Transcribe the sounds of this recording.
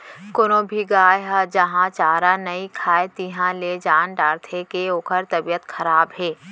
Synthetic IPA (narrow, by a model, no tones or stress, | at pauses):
kʊnõbʱiɡaːjɦad͡ʒɐɦãt͡ʃaːɾanɐikʰaːet̪iɦãled͡ʒaːnɖaːɾt̪ʰekeoːkʰəɾt̪ɐbijət̪xʰɐɾaːbɦɛː